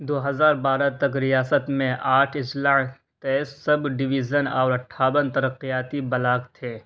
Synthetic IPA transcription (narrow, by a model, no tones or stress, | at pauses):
d̪oːɦɐzaːɾbaːɾat̪ɐkɾɪjaːsət̪mẽʔaːʈʰɪslaː | t̪ɛːssɐbɖɪʋid͡ʒənɔ̰ːɾɐʈʰːaːwənt̪ɐɾəqijaːt̪ibɐlaːkt̪ʰeː